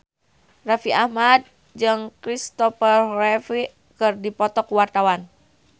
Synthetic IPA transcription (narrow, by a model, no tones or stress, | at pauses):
rafiahmad̚ | d͡ʒɨŋkɾist̪ɔfərrɛfi | kɨrdipɔt̪ɔkuwart̪awan